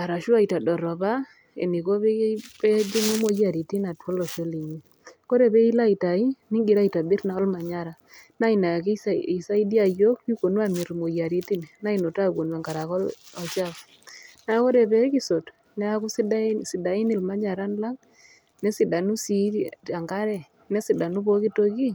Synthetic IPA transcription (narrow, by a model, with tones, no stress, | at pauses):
a˨ɾa˨ʃu˦a˦i˨ta˨dɔ˨ɾɔ˨ba˦ | ḛ˨ni˨ko˦bɛ˦pɛ˦d͡ʒi˦ŋo˦mo˦ja˨ɾi˨ti˦na˨twɔ˦lɔ˨ʃɔ˦li˨ɲi˦˨ | ko˦ɾɛ˨bɛ˦i˦la˦i˨ta˨ɪ˦nɪ˦ŋɡi˨ɾa˦i˨ta˨bi˦ɾna˨ɔ˦lma˨ɲa˦ɾa˨ | na˦i˨na˨ki˦i˨sa˦i˦di˦a˨jo˦kju˦ko˨nwa˦mi˨ɾmo˨ja˨ɾi˦ti˦nna˦i˨no˨ta˦ɡo˨nwa˨ŋɡa˨ɾa˨kɔ˦ɔ˨t͡ʃa˦f | n˦a˦ko˦ɾɛ˨bɛ˦ki˦so˨t | nɛ˦a˦ku˦sdsɪ˨da˨ɪ˦ni˨lma˦ɲa˨ɾa˦nla˦ŋ | nɛ˦sɪ˨da˨nu˦si˨˦a˨ŋɡa˦ɾɛ˨ | nɛ˦sɪ˨da˨nu˦bo˦ki˦to˦ki˦